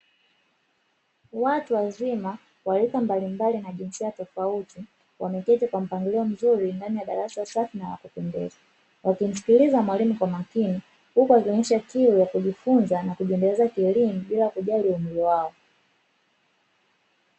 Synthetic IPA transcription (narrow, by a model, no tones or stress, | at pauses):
watuwazima | walikambalimbalinaʄinsiatɔfauti | wʔamɛkitikwam̩paŋɡiliɔm̩zuɾindanijaɗaɾasasafinala̰kupɛndɛ̰za | wakim̩s̬i̥kilizamwalimukwamakini | hukuakɔɲɛʃakilujakuʄifunzanakuʄɛndɛɛzakɛlimuɓilakuʄaliumiliwaɔ